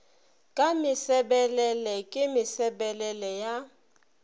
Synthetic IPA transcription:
kʼamɪsɛɓɛlɛlɛkʼɪmɪsɛɓɛlɛlɛja

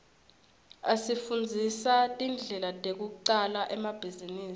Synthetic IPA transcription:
asifund͡zʱisatʼind͡ɮʱɛlatʼek̬uǃalaʔɛmab̥ʱiziniːsi̥

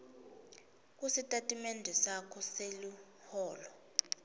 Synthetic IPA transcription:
k̬ʼusitʼatʼimɛndʱɛsakʰɔselu | hɔːlɔ

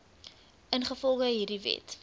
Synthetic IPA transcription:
ʔənχəfɔlˠχəɦiːrdivɛ̰t

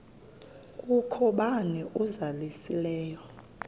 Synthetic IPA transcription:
kʼukʰɔɓaniʔuzalisilɛːjɔ

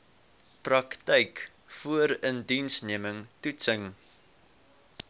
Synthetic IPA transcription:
prɐktɛjk | fuəɾəndinsniəməŋtutsəŋ

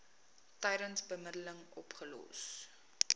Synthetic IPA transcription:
tɛjɾənsbəmədələŋɔpχəlɔ̰s

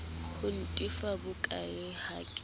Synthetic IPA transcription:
hʊn̩tʼifabʊkʼaɪhaːkʼɪ

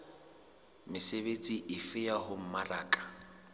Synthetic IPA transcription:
mɪsebet͡sʼiʔɪfɪjahʊm̩maraːkʼḁ

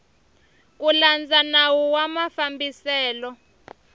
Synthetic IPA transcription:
k̬uland͡zanawuwamafambisɛːlɔ

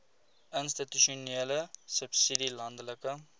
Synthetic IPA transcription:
ənstituʃuneːləsəpsidilɐndələkə

